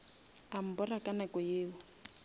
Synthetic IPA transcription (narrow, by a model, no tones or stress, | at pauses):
am̩bɔrakʼanakɔjeːwɔ